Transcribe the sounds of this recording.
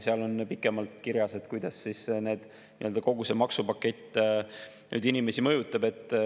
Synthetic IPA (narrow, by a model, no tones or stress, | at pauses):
seɑlo̞npikˑːe̞mɑlt̪kiɾjɑse̞t̪kujd̪̥ɑsːiːsne̞ːd̪̥ | nnḭøld̪ɑko̞ɡusemɑksupɑkːˑe̞t̪ʲːˑ | ny̰ːd̪inime̞simɤ̞jut̪ːˑɑbe̞t̪ːˑ